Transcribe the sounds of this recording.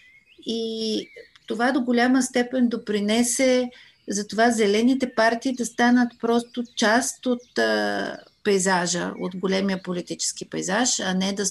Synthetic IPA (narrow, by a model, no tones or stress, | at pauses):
i | t̪ovad̪oɡolʲaməst̪ɛpɛnd̪opɾinɛsɛ | zɐt̪ovazɛlɛnit̪ɛpaɾt̪iːd̪ɐst̪anət̪pɾɔst̪ʊt͡ʃast̪ot̪ | pɛjzaʒə̰o̰t̪ɡolʲɛmijəpolit̪it͡ʃɛ̥skipɛ̰jzaʃɐnɛd̪ɐ